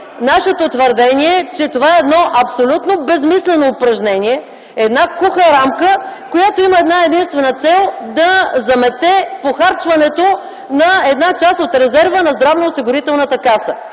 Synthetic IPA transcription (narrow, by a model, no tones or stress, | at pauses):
naʃɛt̪ot̪vəɾd̪ɛniɛt͡ʃɛt̪ovaɛɛd̪nɔʔɐpsolʲut̪nobɛzmislɛnoːpɾɐʒnɛniɛ | ɛd̪nakuxəɾamkəkojat̪oiməɛd̪naɛd̪inst̪vɛnət̪sɛlˠd̪ɐzɐmɛt̪ɛpoxaɾt͡ʃvɐnɛt̪o | nɐɛd̪nat͡ʃast̪ot̪ɾɛzɛɾvənɐzd̪ɾavnɐʊsiɡʊɾit̪ɛlˠnət̪əkasə